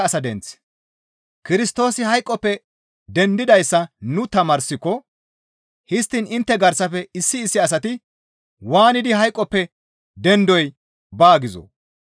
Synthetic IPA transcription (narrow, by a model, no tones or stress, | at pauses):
ɐsɐd̪ɛnt͡s | kɪɾɪst̪o̞ːsɪhɐjkʼːɔpːɛ | d̪ɛnd̪ɪd̪ɐjsːɐnʊt̪ɐmɐːɾsːɪkːɔ | hɪst̪ːɪnɪnt̪ːɛɡɐɾsɐfɛɪsːɪːsːɪɐs̬ɐt̪ɪ | waːnɪd̪ɪɦɐjkʼːɔpːɛ | d̪ɛnd̪ɔj | baːɡɪzo̰